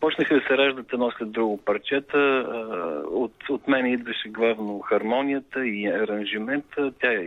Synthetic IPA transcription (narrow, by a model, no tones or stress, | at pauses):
pɔt͡ʃnəxəd̪ɐsɛɾaʒd̪ət̪ɛd̪nɔslʲɛd̪ːɾuɡʊpɐɾt͡ʃɛt̪ə | ot̪ot̪mɛnɛid̪vɐʃɛɡlˠavnoxɐɾmɔnijət̪əiɐɾɐnʒimɛnt̪ət̪ʲa